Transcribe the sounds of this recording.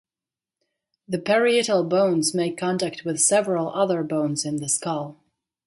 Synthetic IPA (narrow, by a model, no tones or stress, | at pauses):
ðɨpʰɛɹiɪɾl̩ˠbõʊ̃nzmeɪkʰɑ̃ntæk̚t̚wɨð̥sɛvɹəl̩ˠʔʌðə˞bõʊ̃nzɨ̃nðɨskʌlˠ